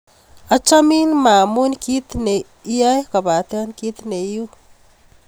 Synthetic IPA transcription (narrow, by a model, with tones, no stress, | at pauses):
a˦t͡ʃa˦mi˦nma˨mu˦nki˦t̪ne˨ | i˦ja˦jka˨ba˨t̪a˦nki˦t̪ne˨˦ju˦